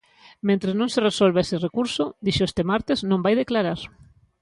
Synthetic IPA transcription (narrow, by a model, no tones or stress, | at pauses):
mẽnt̪ɾeznõŋseresolβeeserekuɾsʊd̪iʃoest̪emaɾt̪eznõmbajðeklaɾaɾ